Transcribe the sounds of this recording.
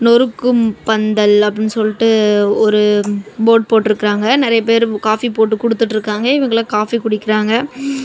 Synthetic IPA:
nɔɾɯkːɯmpɐnd̪ɐlɐpːɐɽɪnːɯsɔlːɪʈːɯɔɾɯboːʈ̚poːʈːɪɾɯkːɪɾaːŋɡɐnɪɾɐjɐp̬eːɾkaːfipoːʈːɯkʊɽɯt̪ːɯʈːɪɾɯkːaːŋɡɐɪʋɐŋɡɐɭaːkaːfikʊɽɪkːɪɾaːŋɡɐ

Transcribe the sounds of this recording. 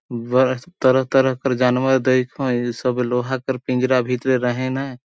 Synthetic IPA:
bəɾt̪əɾəɦt̪əɾəɦkəɾd͡ʒaːnməɾd̪eɪkʰõsəbloːɦakəɾpĩnd͡ʒɾabʱit̪ɾeɾəɦẽna

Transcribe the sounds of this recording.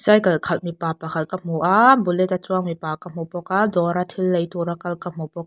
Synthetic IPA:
sajkɐlkʰɐl̚mipaːpakʰal̚kam̥uʔabulɛt̪at͡suaŋmipaːkam̥ɔpɔkadɔɾat̪ʰilːejt̪uɾakɐlkam̥ɔpɔk̚

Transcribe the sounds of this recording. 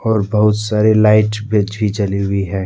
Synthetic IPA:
ɔːɾbɐɦʊt̪saːɾelaːɪʈbɾɪd͡ʒbʱit͡ʃɐliɦʊiɦɛ̃ː

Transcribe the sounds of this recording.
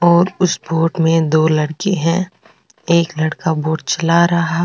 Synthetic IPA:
ɔːɾʊsboːʈmẽd̪oːlɐɽkeɦɛ̃ | eːklɐɽkaboːʈ̚t͡ʃɐlaɾɐɦa

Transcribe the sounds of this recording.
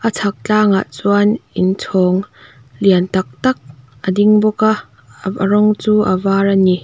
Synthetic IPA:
ʔət͡sʰɐk̚t͡ɬaːŋa̰ʔt͡suanint͡sʰɔːŋ | liənt̪ɐk̚t̪ɐk̚ | ʔədiŋbɔkaʔ | ə̰rɔŋt͡suːʔə̰vaːrani

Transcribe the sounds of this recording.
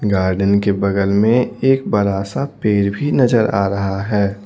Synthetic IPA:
ɡaːɾɖənkebɐɡəlmẽeːk̚bɐɾaːsapeːɾbʱinɐd͡ʒəɾa̰ːɾɐɦaɦɛː

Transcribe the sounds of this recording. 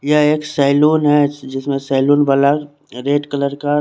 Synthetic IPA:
jaeːksaːɪluːnɦɛd͡ʒɪsmẽsaːɪluːnbala | ɾeːʈkələɾka

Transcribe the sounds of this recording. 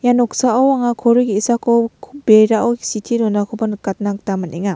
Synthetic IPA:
janɔksaʔawaŋakʰɔɾuɡiːsakʰɔwkʰbeɾaʔɔwi̥sitʰiɾɔnakʰɔbankat̚nak̚tamanʔeŋa

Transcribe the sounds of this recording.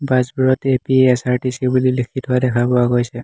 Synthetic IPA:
bazbuɹɔtepiɛsaɹʈisibulilikʰitʰɦʊadɛkʰabɔaɡojsɛ

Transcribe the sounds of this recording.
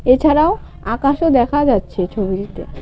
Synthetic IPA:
et͡ɕʰaɾao | akaʃod̪ɛkʰad͡ʑatːɕʰet͡ɕʰobiɾit̪ḛ

